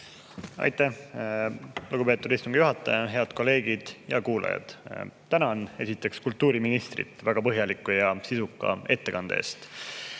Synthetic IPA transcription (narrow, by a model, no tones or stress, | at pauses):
ɑ̰jt̪ˑːæh | luɡupe̞ːt̪ːˑud̪̥ist̪uŋɡ̥juɦɑt̪ːˑɑjɑɦe̞ɑd̪̥ko̞le̞ːɡ̥id̪̥jɑ̰kuːlɑ̰jɑ̰d̪̥t̪ænɑne̞sit̪ːˑe̞kskult̪ːˑuːɾiminist̪rḭt̪ˑvæɡ̥ɑpɤɦjɑlikːˑujɑsisukːˑɑ̰e̞t̪ːekɑnd̪ɑḛːst̪